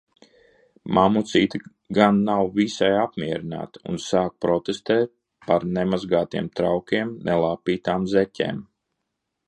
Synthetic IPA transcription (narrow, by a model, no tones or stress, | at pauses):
mamut̪siːt̪i | ɡanːawvisajapmiɛɾina̰ːt̪ṵnsaːk̚pɾɔt̪est̪ɛːt̪̚ | paɾnɛmazɡaːt̪iɛmt̪ɾawkʲiɛmnʔɛlˠaːpiːt̪aːmzɛcʲḛːm